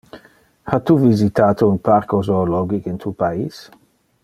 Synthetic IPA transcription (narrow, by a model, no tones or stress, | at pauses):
hat̪uvizit̪aːt̪ounpaɾkozoːlɔɡikint̪ʰupaiːs